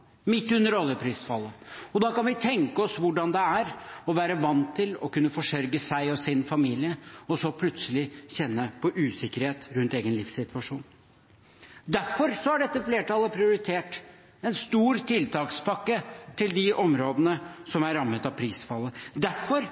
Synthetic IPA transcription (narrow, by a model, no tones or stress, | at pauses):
mɪt̪ːʉnːəɾɔlːəpʰɾiːsfɑlːəɔd̪ɑːkɑnʋɪt̪ʰɛŋkəɔsʋʊɖɑnd̪ɛæɾɔʋæːɾəʋɑnt̪ʰɪlɔkʉnːəfɔʂœɾɡəsæɪɔsɪnfɑmiːlɪəɔsɔpʰlʉt̪səlɪɕɛnːəpʰɔʔʉːsɪkːəɾheːt̪ɾʉnt̪eːɡənlɪfsɪt̪ʰʋɑʂuːn | d̪æɾfɔɾsɔæɖɛt̪ːəfleːʈɑːləpʰɾɪʊɾɪt̪ʰeːʈ | ɛnst̪uːɾt̪ʰɪlt̪ʰɑːkspʰɑkːət̪ʰɪld̪ɪʔɔmɾoːd̪ənəsɔmæɾɑmːət̪ɑʋpʰɾiːsfɑlːəd̪æɾfɔɾ